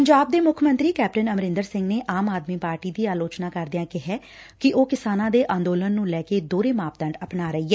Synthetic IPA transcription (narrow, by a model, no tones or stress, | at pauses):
pəɲd͡ʒaːb̚d̪eːmʊkʰmə̃nt̪ɾiːkɛːp̚ʈənəmɾɪ̃nd̪əɾsɪ̃ŋɡneːʔaːmaːd̪miːpaːɾʈiːd̪iːaːloːt͡ʃnãːkəɾd̪ɪjãːkɪɦɛː | kɪʔoːkɪsaːnãːd̪eːʔãːnd̪oːlənːũːlɛːkeːd̪oːɾeːmaːp̚d̪əɳɖəpnaːɾəiːɛː